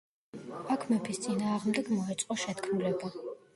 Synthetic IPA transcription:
akʰmɛpʰist̪sʼinaːʁmd̪ɛɡmɔɛt̪sʼqʼɔʃɛt̪kʰmulɛba

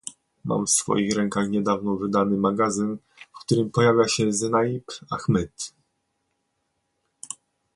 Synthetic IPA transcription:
mʔa̰mfsfɔ̰jixɾɛŋkaxɲɛd̪avnɔvɘd̪anɘmaɡazɘn | fkt̪uɾɘmpɔjavʲjaɕɛzɛnajipaxmɛt̪

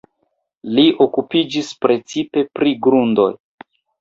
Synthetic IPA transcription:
liʔokupid͡ʒispɾe̞t͡sipe̞pɾiɡɾundo̞̰j

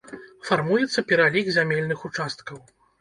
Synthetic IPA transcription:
farmujɛt̪sːɐpʲɛɾalʲiɡzʲamʲelʲnɨxut͡ʂast̪̚kɐw

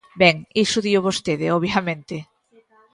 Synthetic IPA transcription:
bɛŋisʊðioʊβost̪eðɪɔβjɐmẽnt̪ɪ

